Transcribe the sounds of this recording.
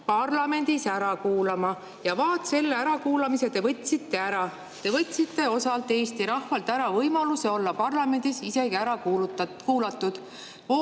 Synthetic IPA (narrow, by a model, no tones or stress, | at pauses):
pɑrlɑme̞nd̪̥isæɾɑkuːlɑmɑ | jɑvɑːt̪se̞lːeæɾɑkuːlɑmise̞t̪e̞vɤt̪ʲːˑsit̪ːe̞æɾɑ | t̪e̞vɤt̪ʲˑːsit̪ːe̞o̞sɑlt̪ːˑe̞ːst̪iɾɑhfɑlt̪ːæɾɑvɤjmɑluse̞o̞lːɑpɑrlɑme̞nd̪̥isise̞ɡiæɾɑkːkuːlɑt̪ːˑud̪̥ | o